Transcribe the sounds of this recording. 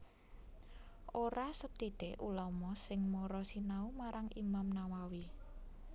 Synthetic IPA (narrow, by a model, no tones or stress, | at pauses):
ʔoɾasət̪id̪̥eʔulɔmɔsɪŋmoɾɔsinaumaɾʔaŋʔimamnawawi